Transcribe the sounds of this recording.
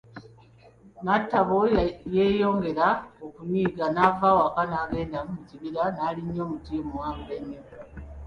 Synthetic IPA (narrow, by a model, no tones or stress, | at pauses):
natːaβoje̞ːjo̞ːŋɡe̞ɾaokuniːɡanavaːwoakanaːɡe̞ːndamumuciβiɾanaːliɲːo̞ːmutimuwaːmbuɾeɲːo